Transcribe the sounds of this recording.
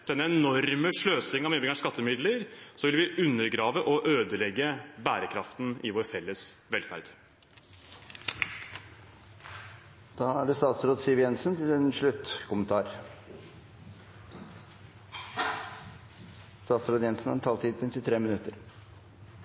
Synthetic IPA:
d̪̥ɛnːəɛnɔɾməʂɭøːsɪŋɑʋmɛbɪŋɑskɑt̪ʰːəmɪd̪ləɾsɔʋɪlʋɪʔʉnːəɾɡɾɑːʋəʔɔʔøːd̪əlɛɡːəbæːɾəkʰɾɑft̪nɪʋoːɾfɛlːəs | ʋɛlfæ̰ɾd̪̥ | d̪̥ɑːæɖɛst̪ɑːt̪sɾoːd̪sɪʋjɛnsənt̪ʰɪlɛnʂɭʉt̪ːkʰʊmənt̪ʰɑːɾ | st̪ɑːt̪sɾoːd̪jɛnsn̩æ̰ɾɛnt̪ʰɑːlt̪ʰiːd̪ɛnt̪ɪt̪ʰɾeːmɪnʉt̪ːəɾ

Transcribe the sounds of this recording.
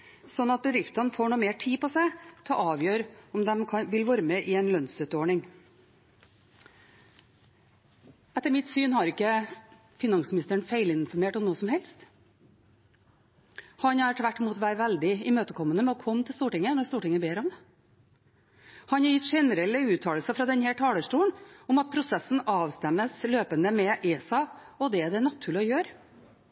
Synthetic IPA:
sɔnːɑt̪̚bəd̪ɾɪft̪ɑnfoːɳuːmeːʈʰiːpɔsæɪt̪ʰɛlʔɑːʋjøːɾɔmd̪ɛmkʰɑʋɪlʋoːɾəmɛʔɪɛɪnlœnsœt̪əoːɳɪŋ | ɛt̪ːəɾmɪt̪syːnhɑɾɪkːə | fɪnɑŋsmɪnɪst̪əɳfeɪlɪnnfɔɾmeːʈɔmnoːsɔmhɛlst̪ | hɑnhɑɾʈʰʋæʈːɪmuːt̪ʋæːɾəʋæld̪ɪɪmøːt̪əkʰɔmːənəmɛɔkʰɔmt̪ʰɪlst̪uːʈɪŋːənɔɾst̪uːʈɪŋːəbeːɾɔmd̪ɛ | hɑnhɑɾjɪt̪ːʂɛnəɾɛlːəʉːt̪ʰɑːllsəfɾɑd̪ɛnhæːʈʰɑːləʂʈuːəɳʊmɑt̪̚pʰɾʊsɛsn̩ɑːʋst̪ɛmːəsløːpənd̪əmɛʔeːsɑ | ɔd̪ɛæd̪ɛnɑt̪ʰːʉːɭɪɔjøːɾ

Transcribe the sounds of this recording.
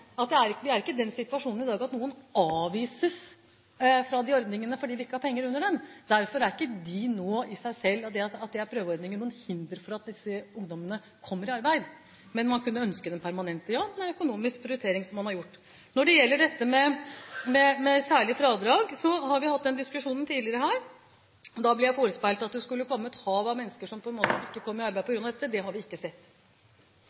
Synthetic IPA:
ɑt̪̚d̪ɛæɾʋɪæɾɪkːəd̪ɛnsɪt̪ʉʋɑʂuːnn̩ɪd̪ɑːɡɑt̪nuːənɑːʋiːsəs | fɾɑd̪ɪɔɾd̪nɪŋənəfɔɖiːʋɪɪkːəhɑɾpʰɛŋːəɾʉnːəɖɛmd̪æɾfɔɾæɾɪkːəd̪ɪnoːɪsæɪsɛlːɑt̪̚d̪ɛɑt̪ɑt̪̚d̪ɛæɾpʰɾøːʋəɔɾd̪nɪŋːənuːənhɪnd̪əɾfɔɾɑt̪̚d̪ɪsːəʊŋd̪ɔmənə | kʰɔmːəɾɪɑɾbæɪd̪ | mɛnmɑnkʰʉnːəœnskəd̪ɛmpʰæɾmɑnɛnt̪əjɑːnɛnœkʊnuːmɪsk̚pɾɪʊʏɪt̪ʰeːɾɪŋsɔmːɑnhɑɾjʊʈː | nɔɖɛjɛlːəɖɛt̪ːəmɛmɛmɛsæːɭɪfɾɑːd̪ɾɑːɡsɔhɑɾʋɪhɑt̪̚ːd̪ɛnd̪ɪskʉʂuːnənt̪ʰiːd̪lɪəɾəɦæːɾ | d̪ɑblɪɾjæɪfoːɾəspæɪlt̪ɑt̪̚d̪ɛskʉlːəkʰɔmːət̪hɑːʋɑmɛnːskəʂɔmpʰɔɛnmoːt̪əɪkːəkʰɔmːəɾɪɑɾdbæɪd̪pɔɡɾʉnɑd̪ɛt̪ːəd̪ɛɦɑɾʋɪɪkːəsɛt̪ː

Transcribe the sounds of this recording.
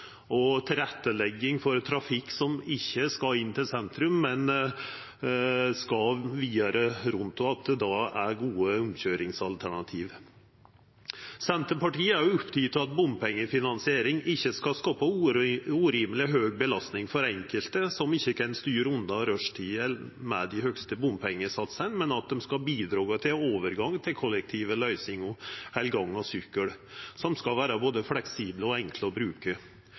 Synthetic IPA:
ɔt̪ʰɪlɾɛt̪ːəlɛɡːɪŋfɔɾt̪ʰɾɑfɪkːsɔmɪçːəskɑɪnːt̪ɪlsɛnt̪ɾʉmːɛn | skɑʋiːd̪ɑɾəɾʊnt̪ʊɑt̪̚d̪ɛd̪ɑæɾɡuːəʊmçøːɾɪŋsɑlt̪ʰæɳɑt̪ʰiːʋ | sɛnt̪əɾpɑʈiːəæɾjʊʊpt̪ʰʏt̪ɑt̪̚bʊmpʰɛŋːəfɪnɑnsɪeːɾɪŋɪçːəskɑskɑːpɑuːɾiːmlɪɦøːɡ̚bəlɑst̪nɪŋfɔɾɛŋkəlt̪əsɔmɪçːəkʰɛnst̪yːɾʉnd̪ɑɾœʂʈʰiːəmɛ̰d̪ɪhœkst̪əbʊmpʰɛŋːəsɑt̪sənmɛnɑt̪̚d̪ɛmskɑbiːd̪ɾɑːɡət̪ʰɪloːʋəɾɡɑŋt̪ʰɪlkʰɔlɛk̚t̪ʰiːʋəlœʏsɪŋʊhɛlɡɑŋːɔsʏkːəɽsɔmskɑʋæːɾɑboːd̪əflɛksiːbləɔɛŋkʰləɔbɾʉːkə

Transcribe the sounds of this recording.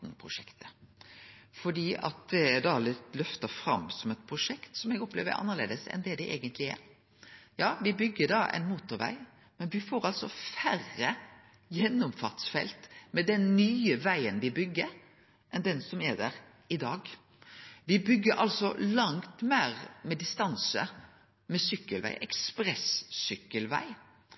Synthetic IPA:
npʰɾʊʂɛkt̪ə | fɔɖiːʔɑ̰t̪̚d̪ɛæd̪ɑlɪt̪lœft̪əfɾɑ̰msɔmɛt̪̚pʰɾʊʂɛkt̪sɔmɛɡɔplḛːʋə̰ɾʔɑ̰nːəlḛːd̪əsɛ̰nd̪ɛd̪ɛʔḛːɡənt̪lɪæ̰ɾ | jɑːʋɪbʏɡːədɑʔɛ̰ɪnmuːt̪ʊɾʋæ̰ɪ | mɛnʋɪfoːɾɑlsɔfærːə | jɛnːʊmfɑʁt̪sfɛ̰lt̪mɛd̪ɛnːyːəʋæɪənʋɪbʏɡːəɾ | ʔɛnd̪ɛnsɔmæd̪æɾ | ɪd̪ɑːɡ | ʋɪbʏɡːəɾʔɑlsɔlɑŋt̪mæːɾmɛd̪ɪst̪ɑnsə̰ | mɛsʏkːəlʋæ̰ɪʔɛkspɾɛsːʏkːəlʋæ̰ɪ

